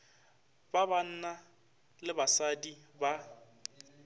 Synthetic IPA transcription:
baban̩ːna | lɪbasadiba

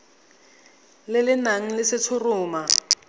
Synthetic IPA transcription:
lɪlɪnaŋ̩lɪsɪt͡sʰʊrʊːma

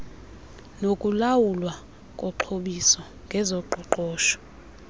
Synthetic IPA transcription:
nokʼulawulwa | kʼɔǃʰoɓisɔ | ŋɡʱɛzɔǃɔǃɔːʃɔ̥

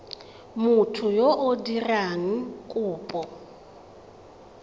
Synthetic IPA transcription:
mʊtʰʊjoʔodiraŋ̩kʼuːpʼɔ

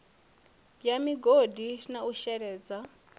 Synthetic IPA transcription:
jamiɡodinauʃɛɾɛːd͡za

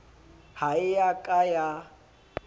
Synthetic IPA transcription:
haɪjakʼaja

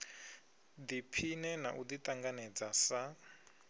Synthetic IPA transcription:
d̪ipʰinɛnaʔud̪it̪ʼaŋɡanɛd͡zasa

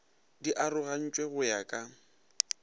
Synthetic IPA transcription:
diʔaɾʊɣan̩t͡ʃʼweɣʊjakʼa

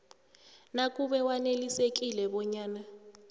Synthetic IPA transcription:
nak̬ʼuɓɛwanelisek̬ʼilɛɓɔɲaːna

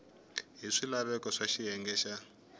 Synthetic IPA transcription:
ɦiʂilaβɛkɔʂaʃijɛŋɡɛːʃa

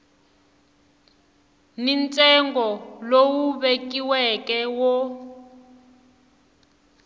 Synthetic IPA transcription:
nint͡sʼɛŋɡɔlowuβek̬ʼiwɛkʼɛwɔ

